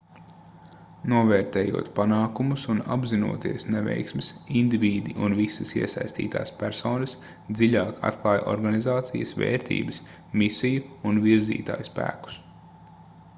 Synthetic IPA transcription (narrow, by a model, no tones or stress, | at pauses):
nuɔvɛːɾt̪eːjṵɔt̪panaːkumusuna̰bzinṵɔt̪iɛsnɛvɛ̰jksmɪsind̪ivʲiːd̪iʔunvisɐsiɛsajst̪ḭːt̪a̰ːspʲæɾsɔːnɐs | d̪ziʎʲaːkʰa̰t̪klˠɑːjʔɔ̰ɾɡanizaːt̪sijəsvḛːɾt̪ḭːbəs | misijuunviɾzḭːt̪a̰ːjspæ̰ːku̥s